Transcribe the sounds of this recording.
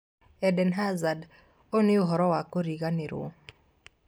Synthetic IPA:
ɛdɛnɦazad | onɪoɦɔɾɔwakoɾiɣanɪɾʊ̰

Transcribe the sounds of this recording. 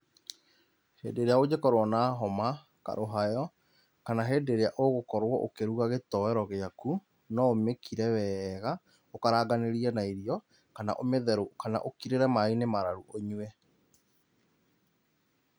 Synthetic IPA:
hḛːdeɾeaod͡ʑekɔɾwɔnaɦɔma | ka̰ɾʔoɦajɔ | kanaɦeːdeɾeaʔoɣokɔɾwɔʔokeɾuɣaɣetɔɛɾɔɣeaku | nɔomekiɾɛwɛɣa | okaɾaːɡaneɾiɛnaiɾiɔ | kana̰ʔomeðɛɾokana̰ʔokiɾeɾɛmainemaɾaɾuʔoɲwɛ

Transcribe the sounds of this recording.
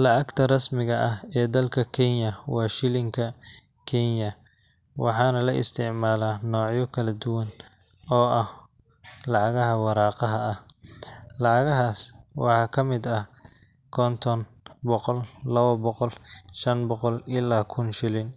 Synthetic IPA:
lɑʕɑɡt̪ʰɐrɑsmɪɣɐʔɐhɛːd̪ɐlkʰɐkʰɛnjɐwɑːʃɪlɪŋkʰɐ | kʰɛnjɐ | wʔɑ̰ħɑːnɐlɐʔɪ̰st̪ʰɪʕmaːlaːnɔːʕjɔkʰɐlɐd̪ʊwɐn | ɔːɐh | lɑʕɑɣɐɦɐwɑɾɑːqɑɦɐɐh | lɑʕɑɣɐɦaːswɑ̰ħɑːkʰɐmɪd̪ɐh | kʰɔnt̪ʰɔn | bɔqɔllɐβɐbɔqɔlʃɐnbɔqɔlɪlaːkʰʊnʃɪlɪn

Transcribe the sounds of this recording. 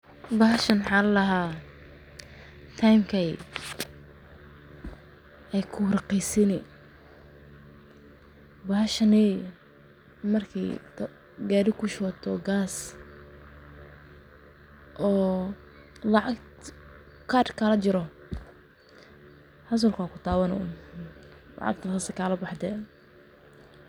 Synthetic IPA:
bɐɦɐʃɐnħallɐɦaː | t̪ʰajmkʰɐj | ɛjkʰʊɾɑqɛjsɪnɛ̰ | bɐhɐʃɐnɛ | mɐrkʰɛ̰j | ɡaːɾɪkʰʊʃɔt̪ʰɔɡaːs | ʔɔː | lɑʕɑɡ | kʰaɾkʰalɐt͡ʃɪɾɔ | hɐs̬ɐlkakʰʊt̪ʰaːwɐnɔ̰ | lɑ̰ʕɑ̰ɡ̚t̪ʰɐχɐsɐkʰaːlɐbɑħd̪ɛː

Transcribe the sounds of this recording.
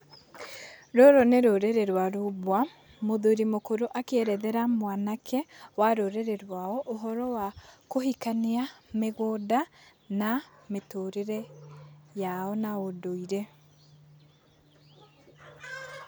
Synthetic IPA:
ɾɔɾɔneɾoɾeɾɛɾwaɾoβwa | moðoɾimokoɾoʔakeɛɾɛðɛɾamwanakʰɛwaɾoɾeɾeɾwaɔʔoɦɔɾɔwakohikaniameɣodanametoɾeɾɛ | jaɔnaodoiɾɛ

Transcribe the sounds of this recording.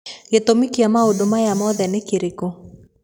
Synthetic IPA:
ɣet̪omikiamaodomajamɔðɛnekeɾeko

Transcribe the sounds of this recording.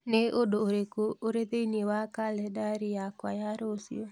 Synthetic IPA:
neʔodoːɾekoːɾeðeiniewakalɛdaɾijakwajaɾosḭɔ

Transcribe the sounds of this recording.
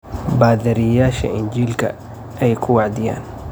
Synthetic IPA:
baːðɐɾɪjaːʃɐ̰ɪnd͡ʒiːlkʰɐ̰ | ʔɛjkʰʊwɑʕd̪ɪja̰ːn

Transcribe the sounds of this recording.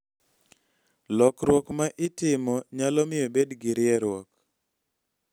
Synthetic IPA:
lɔkɾwɔkmaʔɪtɪmɔɲalɔmɪjobedɡɪɾɪɛɾwɔk

